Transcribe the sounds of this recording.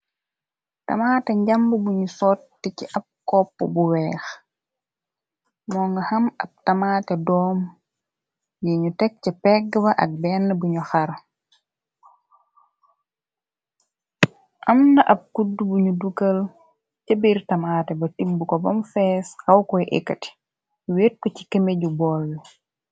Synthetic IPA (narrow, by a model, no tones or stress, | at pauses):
tɐ̰maːtɛɲɟambəbuɲusɔtːikiʔɐb̚kɔpːəbuwɛːx | mɔːŋɡɐhɐmɐb̚tɐmaːtɛdɔːm | jiɲutɛk̚cɛpɛɡbɐʔɐ̰k̚bɛːnːəbuɲuxaɾ | ʔɐmnɐʔɐp̚kudubuɲuduɡɐl | cəbirtɐmaːtɛbɐtimbukɔbɐmfɛːshɐwkɔjʔḛkːɐt | uweːt̚kɔci̥kemeɟubɔlː